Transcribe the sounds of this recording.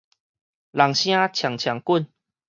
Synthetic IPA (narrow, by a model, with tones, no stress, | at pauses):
la˨˩ŋɕj̃ã˦t͡ɕʰja˨˩ŋt͡ɕʰja˨˩ŋku˥˨n